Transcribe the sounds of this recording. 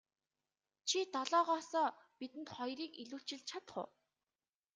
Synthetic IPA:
t͡ɕʰit̪ɔɮɔːʁɔːsɔːpit̪ɘ̆nt̪χɔjriːkiɮuːɬt͡ɕɪ̆ɮt͡ɕʰat̪χʊ̰ː

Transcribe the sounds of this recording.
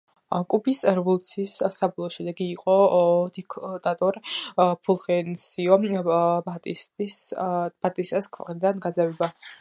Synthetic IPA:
kʼupʰisɾvulˠt̪sʰissabɔlˠɔʃɛd̪ɛɡiːqʼɔd̪ikʰt̪ʼat̪ʼɔɾpʰulˠχɛnsiɔbat̪ʼist̪ʼisb̥at̪ʼist̪ʼɛskʰwɛ̰qʼnid̪anɡad̪zavɛba

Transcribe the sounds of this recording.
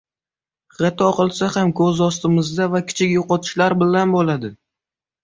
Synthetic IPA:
ʁet̪ʰɒqʰɨlˠsahamkʰɵzɒst̪ɪmɪzd̪avakʲʰɪ̥t͡ʃʰɪkʲjoqɒt̪ʰɪ̥ʃlaɾbɪlanbolad̪ɪ

